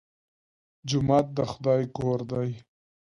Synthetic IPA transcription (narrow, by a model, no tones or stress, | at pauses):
d͡ʒʊmaːt̪̚d̪əxʊd̪ɑjkoɾd̪aj